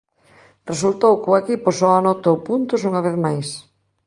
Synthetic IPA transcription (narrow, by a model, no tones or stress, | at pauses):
result̪owkʊekiposɔanɔt̪owpunt̪ʊsuŋaβ̞eθmajs